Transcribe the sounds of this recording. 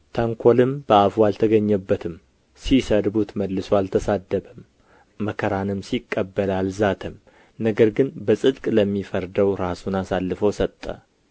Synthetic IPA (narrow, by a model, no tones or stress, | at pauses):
t̪ʰaŋkʰolɨmb̥əafwalt̪ʰəɡəɲːəbːət̪ʰɨm | sisəd̪but̪məd̪lɨsoalt̪ʰəsad̪ːəbəmː | əkʰəɾanɨmsikʼːəbːəlalzat̪ʰəm | nəɡəɾɡɨnbəsʼɨd̪kʼləmːifəɾd̪əwɾasunasalːɨfəwsət̪ʼːə̰